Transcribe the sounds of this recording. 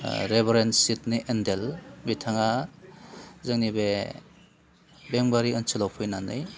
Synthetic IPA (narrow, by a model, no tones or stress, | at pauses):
ɾebɾensit̚niʔendelbitʰaŋa | zɯŋnibe | beŋbaɾiɯnsilawpʰɯjnanɯj